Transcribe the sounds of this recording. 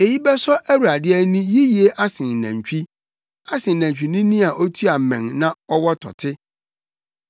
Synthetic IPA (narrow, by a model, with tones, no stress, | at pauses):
e˨ji˦bɛ˦sɔ˦ʔæ˦wu˨ɾa˨dɪ˦ɛ˦nĩ˦ji˦ji˨e˦ʔa˦sɪ̃˨næ̰̃˨ɲ˨t͡ɕᶣi˦ | a˦sɪ̃˨næ̃˨ɲ˨t͡ɕᶣi˨nĩ˦nĩ˦a˨ʔo˦tʰu˦a˨mɛ̃˨nnã˦ɔ˦wɔ˦tʰɔ̰˨tʰɪ˦